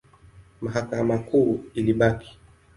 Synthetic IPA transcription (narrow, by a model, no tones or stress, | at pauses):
maɦakamakuːiliɓaki̥